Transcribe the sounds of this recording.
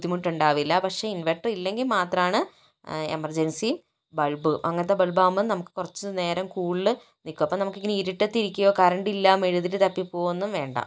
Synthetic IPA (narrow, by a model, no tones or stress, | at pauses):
d̪ːimuʈːuɳɖaːʋilːɐpɐkʂe̞inʋeʈːɐrilːe̞ŋɡilmaːt̪rɐmaːɳɨ | ḛmɐrd͡ʑɐnsim | bɐɭbɨʔɐŋːɐt̪ːebɐɭbaːumːɐðɨnɐmukːɨ̥kurɐt͡ɕːɨne̞ːɾɐmkuːɭilɨ | nikːuɐpːɐmnɐmukːiŋːɐneiɾiʈːet̪ːiɾikʲːujoːkɐɾɐɳɖilːameɻuðilɨt̪ɐpːipːo̞ːʋenːumʋe̞ːɳɖɐ̰